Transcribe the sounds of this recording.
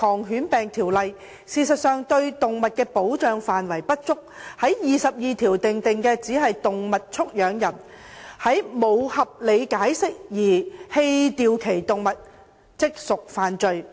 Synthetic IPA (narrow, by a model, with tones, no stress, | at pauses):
kʰɔː˨˩ŋɦyː˨˥npɛː˨ŋt̪ʰiː˨˩wlɐ˨j | siː˨sɐ˨t̚sœː˨ŋt̪ɵ˧ɥt̪ʊ˨ŋmɐ˨t̚kɛː˧po˨˥wt͡ʃœː˨ŋfaː˨nwɐ˨˩jpɐ˥t̚t͡sʊ˥k̚hɐ˨˥jjiː˨sɐ˨p̚jiː˨t̪ʰiː˨˩wt̪ɪ˨ŋt̪ɪ˨ŋkɛː˧t͡siː˨˥ɦɐ˨jt̪ʊ˨ŋmɐ˨t̚t͡sʰʊ˥k̚jœː˨˧ŋjɐ˨˩n | hɐ˨˥jmo˨˧whɐ˨p̚le˨˧jkaː˨˥jsɪ˥k̚jiː˨˩he˧jt̪iː˨˧wkʰe˨˩jt̪ʊ˨ŋmɐ˨t̚ | t͡sɪ˥k̚sʊ˨k̚faː˨˩nt͡ʃɵ˨˧ɥ